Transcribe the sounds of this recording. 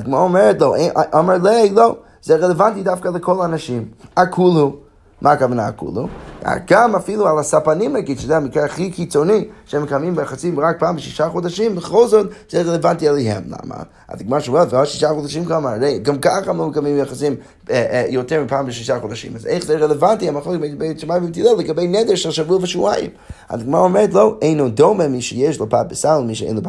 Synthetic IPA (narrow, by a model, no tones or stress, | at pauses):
azdɪɡəmɔɾɔmɛɾətlˠoʊeʔʔɔməɹlˠelˠoʊ | z̥eɪʁɛlˠəvantidafkalˠəkʰɔlˠaanaʃimakʰulˠhu | mʔakavanaa̰kṵlˠua̰ɡ̥amafilˠualˠasapanimaɡidʃəzɛmikɛaχikit͡soniʃɛməkamimbəaχasimʁak̚pʰaːmbɪʃiʃaχɔdaʃimbəχolˠzɔtz̥eʁɛlˠəvantialˠiɦɛ̰mla̰ma̰ | a̰zdɪɡɪmɔɾʃomɛlˠtvɔʃiʃaχɔdaʃ̬imkamaɾeɪɡamkaχamloməkamimbaχasim | jotɛɾmipʰaːmbəʃiʃaχɔdaʃḭmazḛɪχzeɪʁɛlˠəvantiamaχlokbebeʃamaj̃mmtʰilˠɛlˠəɡabeɪnɛdəɾʃɛlˠʃavuəvəʃuajɪ̰m | a̰zdɪɡɪmɔɾaɔmɛɾtlˠoʊʔeɪnodomɛmiʃɛjɛʃlˠəpʰat̚bɪsalˠmiʃ̬ɛḛɪnləp